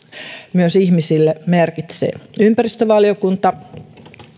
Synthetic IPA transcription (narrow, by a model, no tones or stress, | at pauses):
myøsihmisilːemerkit̪sḛːˑympærist̪øʋɑljokunt̪ɑ